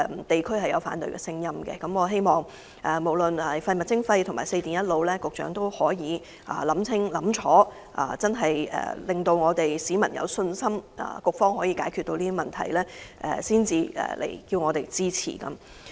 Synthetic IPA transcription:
t̪e˨jkʰɵ˥ɥhɐ˨jɐ˨˧wfa̰ː˨˥nt̪ɵ̰˨ɥkɛ̰˧sɪ˥ŋjɐ˥mɡɛ̰˧kɐ˨˦mɔː˨˧ɦe˥jmɔː˨˩ŋ | ɛ˨˩mo˨˩wlɵ˨nɐ˨˩fɐ˧jmɐ˨t̚t͡sɪ˥ŋfɐ˧jt̪ʰŋmaː˨˩jse˧jt̪iː˨˩njɐ˥t̚lo˨˧wlɛː˥kʊ˨k̚t͡ʃœ̰ː˨˥ŋt̪o˥whɔː˨˥jiː˨˧ | ʔa̰ː˨˩lɐ˨˥mt͡sʰɪ˥ŋlɐ˨˥mt͡ʃʰɔː˨˥ | ʔa̰˨t͡sɐ˥nɦɐ˨jɛ̰ː˨lɪ˨ŋt̪o˧wŋɔː˨˧t̪e˨jsiː˨˥mɐ̰˨˩njɐ̰˨˧wsɵ˧nsɐ˥mɐ̰ː˨kʊ˨k̚fɔː˥ŋɦɔː˨˥jiː˨˧kaː˨˥jkʰyː˨t̪̚o˧wliː˥i˥mɐ˨nt̪ʰɐ˨˩jlɛː˥ʔɛ̰˨siː˥nt͡siː˨˧ɛ̰ː˨˩lʔḛ˨˩jkiː˧wŋɔː˨˧t̪e˨jt͡siː˥t͡sʰḭː˨˩kɐ̰˧˦m

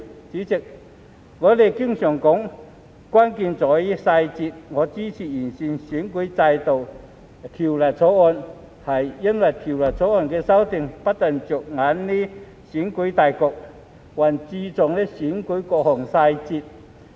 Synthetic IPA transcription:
t͡siː˨˥t͡sɪ˨k̚ | ŋɔː˨˧le˨jkɪ˥ŋsœː˨˩ŋkʊ˨˥ŋ | kwaː˥nkiː˧nt͡sɔː˨˥ji˥saː˧jt͡siː˧t̚ŋɔː˨˧t͡siː˥t͡sʰiː˨˩jiː˨˩nsiː˨nsiː˨˥nku˨˥jt͡sa˧jt̪o˨w | t̪ʰiː˨˩wlɐ˨˩j̚t͡sʰɔː˨˥ɔː˧n | hɐ˨jːɐ˥nwɐ˨˩jt̪ʰiː˨˩wlɐ˨˩j̚t͡sʰɔː˨˥ɔː˧˩nkɛː˧sɐ˥wt̪ɪ˧ŋpɐ˥t̚t̪ɐ˨ŋt͡sʊ˨˩k̚ŋaː˨˥nːiː˥ | siː˨˥nku˨˥jt̪aː˨jkɔː˧k̚ | waː˨˩nt͡siː˧t͡sʊ˨ŋnɛː˥siː˨˥nku˨˥jkɔː˧k̚hɔː˨˩ŋsaː˧jt͡siː˧t̚

